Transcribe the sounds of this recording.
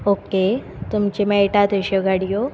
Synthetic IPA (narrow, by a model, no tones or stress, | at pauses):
oke | t̪umt͡ɕemɛjʈat̪əɕeɡʱaɽijo